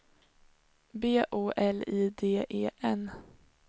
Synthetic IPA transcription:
beːʔoːʔɛliːd̪eːʔeːʔɛn

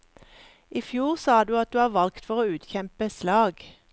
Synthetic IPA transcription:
ʔiːfjuːʁsɑːd̪ʉːɑt̪̚d̪ʉːhɑːʋɑlkt̪fɔʁoːʉːt̪çɛmpəslɑːɡ

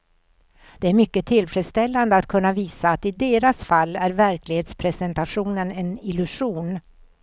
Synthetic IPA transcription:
d̪̥ɛæɾmʏkːət̪ʰɪlfɾɛd̪st̪ɛlːand̪əat̪kʰɵnːaviːsaːt̪ɪd̪eːɾasfalːæɾvæɾklɪheːt̪spʰɾɛsɛnt̪aɧuːnənɛnɪlɵʂuːn

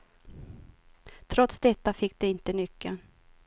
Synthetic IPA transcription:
t̪ʰɾɔt̪sd̪ɛt̪ːafɪk̚ːd̪̥ɛɪnt̪ənʏkːə

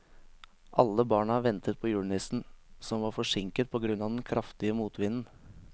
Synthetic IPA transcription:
ʔɑ̰lːəbɑːɳəɑːɾʋɛnt̪ʰət̪̚pʰɔːjʉːɳɪsn̩sɔmʋɑːɾfɔʂɪŋkət̪̚pʰɔːɡɾʉnɑːd̪ɛnkʰɾʔɑft̪ɪəmuːt̪ʋɪnn̩

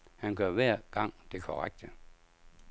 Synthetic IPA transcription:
hænɡ̥ɶɐʋæɐ̰ɡ̥ɑ̈ŋ̰d̥e̝kʰɒʁaɡ̥̚d̥ə

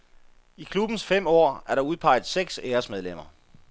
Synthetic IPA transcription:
ikʰlub̥n̩sfem̰ɒ̰ːæɐɾ̥ɑ̈uð̞ˠpʰɑ̈ɪð̩ˠseɡ̥seːɐsmeðˠlem̰ɐ

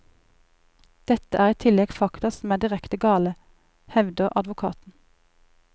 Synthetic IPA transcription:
d̪̥ɛt̪əʔæːʁɛːt̪ʰɪlɛɡfɑkt̪ɑsm̩æːd̪ɪʁɛkt̪əɡɑːlə | hɛʋd̪əʔɑd̪ʋʊkʰɑ̰ːt̪n̩

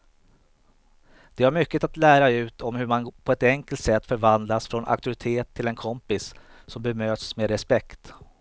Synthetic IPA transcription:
d̪̥ɛhaɾmʏkːət̪at̪læːɾaʉ̟ːt̪ʰɔmhɵɾmanpʰɔɛt̪ɛŋkəlt̪sɛt̪ːfœɾvand̪lasfɾɔnʔa̰k̚t̪ɵɾɪt̪ʰeːt̪ʰːɪlɛnkʰɔmpɪsː | ɔmbɛmøːt̪smeːɾɛspɛkt̪

